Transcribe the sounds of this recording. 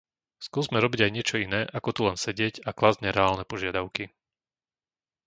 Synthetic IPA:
skuːzmɛɾɔbiɟajɲɪɛt͡ʃɔinɛːʔakɔt̪ulɛnsɛɟɪɛcaklazɲɛɾɛaːlnɛpɔʒɪad̪aʊki

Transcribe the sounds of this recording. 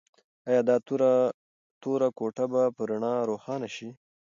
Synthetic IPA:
ɑjɑd̪ɑɾ | t̪oɾakoʈabapəɾaɳɑɾoxɑnaʃi

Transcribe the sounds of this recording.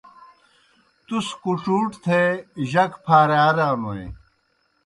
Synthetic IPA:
t̪uskuʈ͡ʂuːʈt̪ʰeʑɐkpʰaːɾaːɾaːmoḛ̃

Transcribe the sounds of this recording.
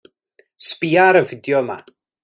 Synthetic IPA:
spiːaɾənfɪdjɔma̰

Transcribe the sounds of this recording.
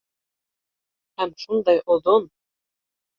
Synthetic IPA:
hæmʃund̪ɑjʔod̪on

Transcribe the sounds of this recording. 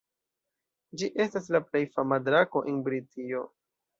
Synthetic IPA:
d͡ʒiʔe̞stas̬laple̞jfamadɾako̞ʔenbɾitʰio̞

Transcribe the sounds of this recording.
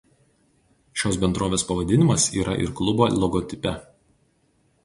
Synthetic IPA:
ʃʲoːsbʲɛnd̪ɾoːʋʲeːspɐʋɐd̪ʲɪnʲɪmɐsḭːɾʔɐʔɪ̰ɾklˠʊboːlʲˠɔɡɔt̪ʲɪpʲɛ

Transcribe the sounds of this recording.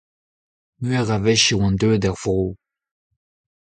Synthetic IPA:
mɥɛʁavɛʃiwɛ̃d̪øːd̪ɛʁvʁoː

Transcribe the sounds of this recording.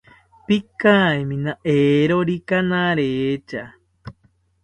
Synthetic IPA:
pikãemĩnãʔeɾoɾikanãɾet͡ʃa

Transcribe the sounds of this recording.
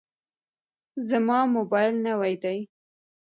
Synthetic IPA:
zamɑmobɑjlnawajd̪aj

